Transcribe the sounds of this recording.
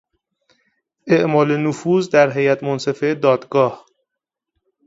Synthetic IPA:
ʔeʔmɒːlenofuːzd̪æɾɦejæt̪ʰmonse̞fed̪ɒːd̪ɡɒːh

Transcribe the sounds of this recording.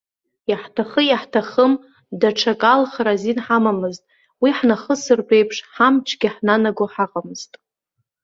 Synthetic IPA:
jaħtʰaχəjaħtʰaχəm | daʈ͡ʂʰakʼalχɾazinħamamɨztʼ | wiħnaχəsɨrpʼe̞jpʰʂħamt͡ʃʰʼɡʲiħnanaɡoħaqʼamɨz̥tʼ

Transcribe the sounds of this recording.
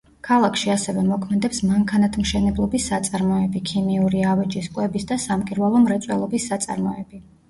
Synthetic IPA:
kʰalˠakʰʃiasɛvɛmɔkʰmɛd̪ɛpsmaŋkʰanat̪ʰmʃɛnɛblˠɔbisːat̪sʼaɾmɔɛbikʰimiuɾiavɛd͡ʒiskʼwɛbisd̪asamkʼiɾvalˠɔmɾɛt̪sʼwɛlˠɔbisːat̪sʼa̰ɾmɔ̰ɛbi

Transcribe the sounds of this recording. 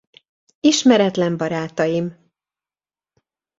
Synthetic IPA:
iʃmɛɾɛt̪lɛmbɒɾaːt̪ɒjim

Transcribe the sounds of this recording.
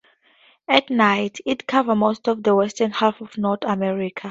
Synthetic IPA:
ɛtnajtʰitkʰavəmostɔvdəwɛstə̃nhalfɔvnɔθamɛɹikʰa

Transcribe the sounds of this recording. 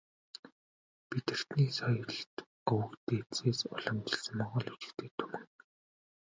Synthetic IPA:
pit̪ɘ̆r̥t̪niːsɔjɞ̆ɮt̪ | ɵwɘ̆kt̪eːtseːsɔ̰ɮɞ̆mt͡ɕɪ̥̆ɮsɘ̆mːɔɴʁɞ̆ːɮut͡ɕɪ̥̆kt̪ʰeːt̪ʰumɘ̆ŋ

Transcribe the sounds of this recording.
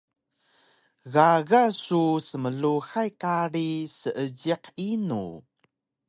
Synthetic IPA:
ɣaɣasusəməɮuxajkaɾisəʔəɟiqinṵ

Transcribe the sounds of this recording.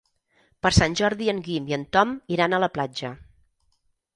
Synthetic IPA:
pəɾsanʲʒɔɾðiəŋɡimiənt̪ɔmiɾanələplad͡ʒə

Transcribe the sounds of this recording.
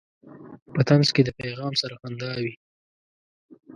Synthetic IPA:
pət̪anzked̪əpajɣɑːmsaɾaxand̪ɑwi

